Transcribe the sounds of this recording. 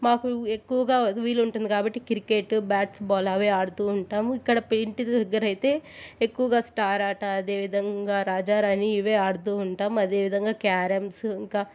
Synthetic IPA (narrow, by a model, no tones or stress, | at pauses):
maːkuekːuʋɐɡaːʋiːluɳʈund̪ikaːbɐʈːikiɾikeʈːbaːʈsbaːlɐʋeːaːɽut̪uːɳʈaːmuikːɐɽɐpeɳʈid̪d̪ɐɡːɐɾɐjit̪e̞ːekːuʋɐɡaːsʈaːɾaːʈɐːd̪e̞ːʋid̪ʱɐŋɡaːɾaːd͡ʒaːɾaːniːʋeːaːɽut̪uːɳʈaːmuɐd̪eːʋid̪ʱɐŋɡaːkaːɾɐmsiŋkaː